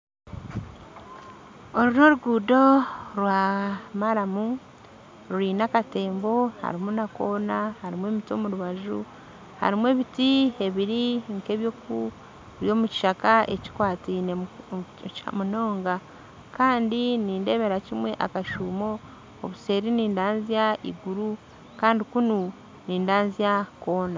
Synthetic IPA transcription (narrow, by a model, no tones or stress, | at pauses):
oɾuɾo̞ɾuɡuːdo̞ɾwamaɾamu | ɾuɾiːnakate̞ːmbo̞ha̰ɾimunako̞ːnahaɾimwe̞ːmitio̞̰muɾuβaʒu | ha̰ɾimwe̞βitie̞βiɾiŋke̞βjoku | βjo̞ːmuci̥ʃakaḛci̥kwaːtine | a̰muno̞ːŋɡa | kaːndiniːnde̞βe̞ɾacimwe̞ʔa̰kaʃuːmo̞ | oβuse̞ːɾiniːndaːnziaḭɡuɾu | kaːndikunu | niːndaːnziako̞ːna